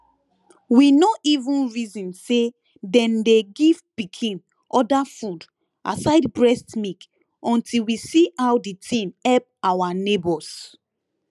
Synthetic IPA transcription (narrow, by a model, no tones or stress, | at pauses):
winoʔivũnɹizĩnse | dɛ̃ndeɡivpikʰĩn | ʔɔdafud | ʔa̰saɪdbɹɛstmik | ʔɔ̃ntʰilwisiawditʰĩnɛp̚awanebɔs